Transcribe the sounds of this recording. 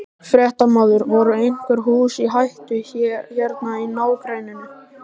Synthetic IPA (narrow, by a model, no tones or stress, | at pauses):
fɾɛht̪amaːwðʏɾvɔɾʏejŋ̥kʏɾ̥ɦuːsiɦajht̪ʏçɛːçɛɾt̪nainaːwkɾeːjnɪnːɪ